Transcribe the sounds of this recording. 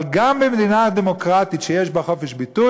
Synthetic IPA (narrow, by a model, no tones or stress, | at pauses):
ɡambemd̪inad̪emokʁat̪itʃejeʃbaχo̞feʃbit̪u